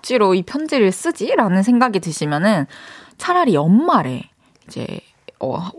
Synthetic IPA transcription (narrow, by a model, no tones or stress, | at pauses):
t͡ɕ͈iɾoipʰjʌnd͡ʑeɾɯɭs͈ɯd͡ʑiɾanɯnsʰe̞ŋɡaɡidɯɕʰimjʌnɯnt͡ɕʰaɾaɾiʌmːaɾe̞̰ | id͡ʑḛ | ʌ̰